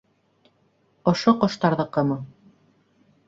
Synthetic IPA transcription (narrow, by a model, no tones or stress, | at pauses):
ŏʃoqŏʃt̪ɑɾðɤ̆qɤmɤ